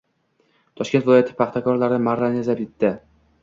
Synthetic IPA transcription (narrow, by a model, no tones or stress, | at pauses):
t̪ʰɒʃkʲet̪vɪlɒjat̪ʰɪ̥pʰɑχt̪ʰakɒɾlaɾɪmaɾanezapɪt̪ːɪ